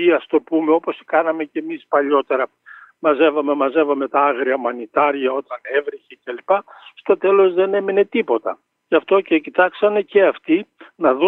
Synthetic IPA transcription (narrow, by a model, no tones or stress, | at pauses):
iɐst̪o̞pume̞o̞po̞si̥kɐnɐme̞cemispɐʎo̞t̪e̞ɾɐ | mɐze̞vɐme̞mɐze̞vɐme̞t̪ɐɐɣɾiɐmɐnit̪ɐɾʝɐo̞t̪ɐnevɾiçecelipɐst̪o̞t̪e̞lo̞zðe̞ne̞mine̞t̪ipo̞t̪ɐ | ʝɐft̪o̞cecit̪ɐksɐne̞ce̞ɐft̪inɐðu